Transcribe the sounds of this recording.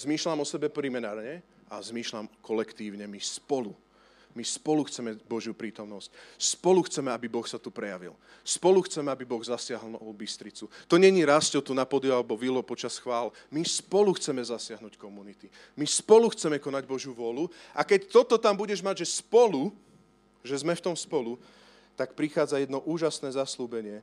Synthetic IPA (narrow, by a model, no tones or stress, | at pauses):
zmiːʃlamɔsɛbɛpɾimɛnaːɾɲɛ | ʔazmiːʃlamkʰɔlɛkt̪iːʊɲɛmispɔlu | mispɔluxt͡sɛmɛbɔʒjupɾiːt̪ɔmnɔscspɔluxt͡sɛmɛabibɔxsat̪upɾɛjaʋḭl | spɔluxt͡sɛmɛabibɔɣzasɪaɦlɔlbist̪ɾit͡sut̪ɔɲɛɲiɾascɔt̪unapɔd̪ɛalɛbɔʋilɔpɔt͡ʃasxʋaːl | mispɔluxt͡sɛmɛzasɪaɦnuːckɔmunit̪i | mispɔluxt͡sɛmɛkɔnaɟbɔʒjuʋʊɔluakɛct̪ɔt̪ɔt̪ambuɟɛʒmaɟʒɛspɔlu | ʒɛzmɛft̪ɔmspɔlu | t̪akpɾixaːd͡zajɛd̪nɔʔuːʒasnɛːzasluːbɛɲɪɛ